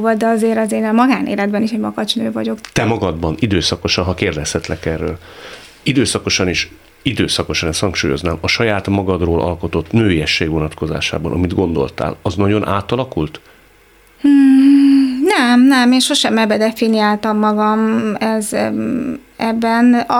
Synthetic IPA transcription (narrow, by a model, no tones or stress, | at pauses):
vɒd̪ɛɒzeːɾɒzeːnɛmɒɡaːnʔḛːlɛd̪bɛniʃɛɟmɒɡɒt͡ʃnøːvɒɟo̞kt̪ɛmɒɡɒd̪bɒnid̪øːsɒko̞ʃɒnɦɒkeːrd̪ɛshɛt̪lɛkɛrːøːl | id̪øːsɒko̞ʃɒniʃ | id̪øːsɒko̞ʃɒnɛst̪hɒŋkʃuːjo̞̰znaːmɒʃɒjaːt̪mɒɡɒd̪roːlʔɒ̰lko̞t̪o̞t̪ːnøːiɛʃːeːɡʋo̞nɒt̪kʰo̞za̰ːʃa̰ːbɒ̰nʔɒ̰mid̪ɡo̞nd̪o̞̰lt̪a̰ːlɒznɒɟo̞nʔa̰ːt̪ɒlɒkult̪ | nɛmnɛmeːnʃo̞ʃɛmɛbːɛd̪ɛfinijaːlt̪ɒmːɒɡɒmɛz | ɛbːɛn